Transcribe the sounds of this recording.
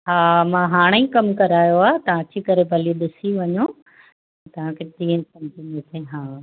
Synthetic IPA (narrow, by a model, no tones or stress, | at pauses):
ɦaːmãːɦaːɽ̃eĩkɐmkɐɾaːjoaːt̪ɐʋ̤ãɐt͡ɕikɐɾebʱɐlieɗɪsiʋɐɲo | t̪ | ɐt̪ɐʋ̤ãkʰediːənɪsɐmd͡ʑinet̪ʰeɦaː